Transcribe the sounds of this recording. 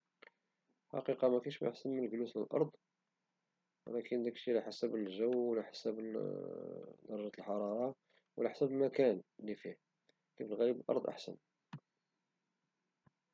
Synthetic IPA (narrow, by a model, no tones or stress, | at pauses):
ħɑ̰qiqɑmækænʃmæ̰jə̰ħsənmənəlɡlusləlʔɑ̰ɾˤd̪ˤ | wə̰lækənd̪ækʃilæħasæbəlʒəwːəlæħḁsæb | d̪ɑɾˤɑʒæt̪əlħɑɾˤɑɾˤɑ | wəlæħsæblmækænlifi | kæbəlɣælibəlʔɑ̰ɾˤd̪ˤʔa̰ħsə̰n